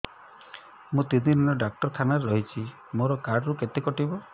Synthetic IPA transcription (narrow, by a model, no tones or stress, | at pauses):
mũt̪inininɔɖak̚ʈɔɾk̪ʰanaɾeɾɔɦit͡ʃʰi | moɾɔkaɾɖɾuket̪ekɔʈibɔ